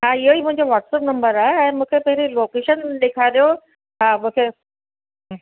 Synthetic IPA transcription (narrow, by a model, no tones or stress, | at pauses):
ɦãiɦoiːmʊ̃ɦɪ̃ɲd͡ʑoʋɔːʈsəpnɐ̃mbəɾaːɦeɛ̃ːmũːkʰepɐɦɪɾiloːkeʃənɗ̪ekʰaɾjo | ɦãmũːkʰe